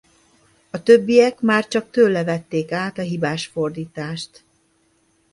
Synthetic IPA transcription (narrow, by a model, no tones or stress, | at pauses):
ɒt̪øbːijɛkmaːrt͡ʃɒk̚t̪øːlːɛvɛt̪ːeːkaːt̪ɒɦibaːʃfo̞rd̪iːt̪aːʃt̪